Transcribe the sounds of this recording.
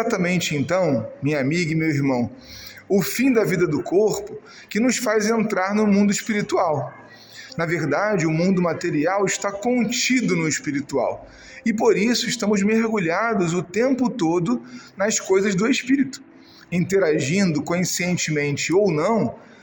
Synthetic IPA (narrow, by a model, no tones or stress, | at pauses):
at̪ɐmẽnt͡ʃɪẽnt̪ɐ̃w̃mĩɲɐamiɡɐɪmewiɾmɐ̃w̃ | ʊfĩd̪ɐvid̪ɐd̪ʊkʰoɾpʊ | kɪnʊsfajzẽnt̪ɾaɾnʊmũnd̪ʊɪʃpiɾit̪uaw | nɐveɾd̪ad͡ʒɪʊmũnd̪ʊmat̪eɾiawɪʃt̪akõt͡ʃid̪ʊnʊɪspiɾit̪ua̰w | ɪpoɾisʊɪʃt̪ɐ̃mʊzmeɾɡuʎad̪ʊzʊt̪ẽmpʊt̪od̪ʊnɐskojzɐzd̪ʊeʃpiɾit̪ʊ̥ | ĩnt̪eɾaʒĩnd̪ʊkõĩsiẽnt͡ʃɪmẽnt͡ʃɪownɐ̃w̃